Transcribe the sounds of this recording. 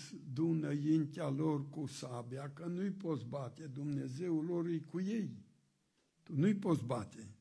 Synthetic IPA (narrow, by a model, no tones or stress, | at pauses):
sd̪unəjint̪alorkusabejakənujpo̞t̪s̬bat̪e̞d̪umne̞ze̞uloɾujkuje̞j | t̪unujpo̞t̪s̬bat̪e